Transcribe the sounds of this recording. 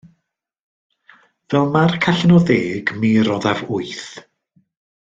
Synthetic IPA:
vɛlˠmarkʰaɬnɔðeːɡmiɾɔðavʊɨθ

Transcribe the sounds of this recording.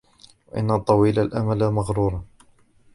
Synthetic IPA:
waʔɪ̰nːat̪ˤːɑwiːlalʔa̰malamaɣɾuːɾˤɑ

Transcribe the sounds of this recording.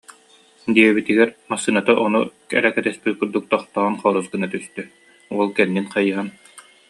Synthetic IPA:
d̪iɛbit̪iɡɛɾmasːɯnat̪aʔɔnukɛ̰ɾɛkɛt̪ɛspit̪̚kuɾd̪uk̚t̪ɔχt̪ɔnχɔːɾusɡɯnat̪yst̪œ | uɔlˠkɛnːinχajɯɦan

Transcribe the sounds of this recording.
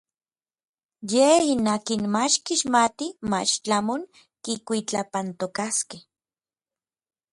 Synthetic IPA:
jehinaːkinmat͡ʃkiʃmat̪ima̰t͡ʃt͡ɬamoŋ | kikʷit͡ɬapant̪okaskeh

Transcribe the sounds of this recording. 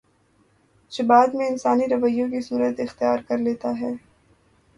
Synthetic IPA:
d͡ʒɪbaːd̪mẽɪnsaːniɾɐʋəjːõk̬isuːɾət̪ɪxt̪ijaːɾkɐɾleːt̪aɦɛː

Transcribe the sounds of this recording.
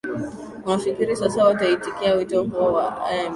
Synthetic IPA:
manfikʲiɾisasawataitikijawitokwa

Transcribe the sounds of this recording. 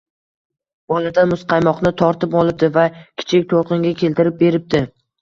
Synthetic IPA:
b̥ɒlˠad̪anmʊsqʰɑjmɒqnɪt̪ʰɒɾt̪ɪpɒlˠɪp̚d̪ɪvakʲʰɪ̥t͡ʃʰɪk̚ʲt̪ʰolˠqɨŋɡʲakʲʰe̞lt̪ɪɾɪp̚be̞ɾɪp̚t̪ɪ

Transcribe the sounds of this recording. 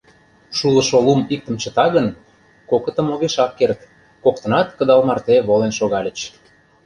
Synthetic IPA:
ʃulə̆ʃolumik̚t̪ə̆mt͡ɕə̆t̪ɑɣən | kokə̆t̪ə̆moɣeʃɑk̚kert̪ | kokt̪ɤ̆nɑt̪kə̆d̪ɑlmɑrt̪eβolenʃoɣɑlʲə̆t͡ɕ

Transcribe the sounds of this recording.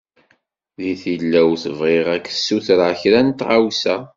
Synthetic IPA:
ðiθilːæwθəvʁeʁækːsːuθɾʕçɾænt̪ʁawsæ

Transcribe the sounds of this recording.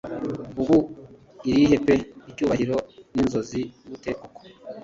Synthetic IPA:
uɡu | iɾiihe̞peicuːβahiɾo̞ninzo̞ziuβute̞ːkoko̥

